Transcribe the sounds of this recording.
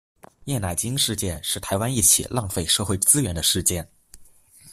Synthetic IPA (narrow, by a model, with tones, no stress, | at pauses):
jɛ˥˩na˨˩ɪt͡ɕi˥ŋʂɻ̩˥˧t͡ɕjɛ˥˧nʂɻ̩˥˩t̪ʰa˧˥ɪwa˥ni˥˩t͡ɕʰḭ˨˩lɑ˥˧ŋfe˥˧ɪʂɤ˥˧xwe˥˩ɪt͡sɹ̩˥ɥɛ˧˥nd̪ə˧ʂɻ̩˥˧t͡ɕjɛ˥˩n